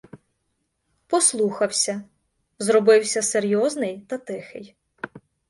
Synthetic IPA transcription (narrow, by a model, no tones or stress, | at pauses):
pɔslˠuxɐwsʲɐ | zɾɔbɪwsʲɐseɾʲjɔznɪjt̪ɐt̪ɪxɪ̰j